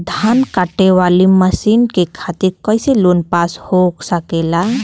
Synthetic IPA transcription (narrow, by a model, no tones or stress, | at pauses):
d̪ʱankaʈeʋaːliməsiːnkekʰaːt̪iɾkɔɪseloːnpaːshoksəkela